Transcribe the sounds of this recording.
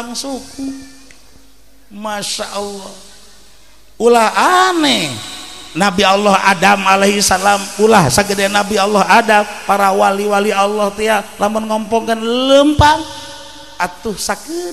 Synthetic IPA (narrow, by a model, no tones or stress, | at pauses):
aŋsuku | maʃaʔɔlːɔh | ulahane | nabialːɔha̰damaleɦisalamulahsaɡədɛnabialːɔɦadampaɾawaliwalialːɔht̪ejalamʊnŋɔmpɔŋkənləmpaŋ | at̪uhsakə